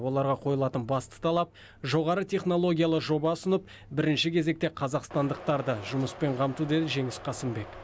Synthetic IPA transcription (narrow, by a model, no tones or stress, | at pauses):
wo̞lˠɑɾʁɑqʰo̞jəlˠɑt̪ənbɑst̪ə̥t̪ʰɑlˠɑp̚ | ʒo̞ʁɑɾət̪ʰʲe̞χno̞lˠo̞ɡʲijalˠəʒo̞bɑʊsənəp̚ | bɪɾɪnʃɪkʲʰe̞zek̚t̪e̞qʰɑzɑqst̪ɑnd̪əq̚t̪ɑɾd̪əʒʊməspe̞ɴqʰɑmt̪ud̪e̞d̪ɪʒe̞ŋɪsqʰɑsəmbe̞k